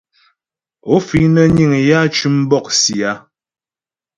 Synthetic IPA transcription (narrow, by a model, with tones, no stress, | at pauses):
o˨˦fi˦nə˦ɲi˦˨ŋ˨ja˦t͡ʃʉ˦m˦bɔ˦˨k̚si˨a˨˦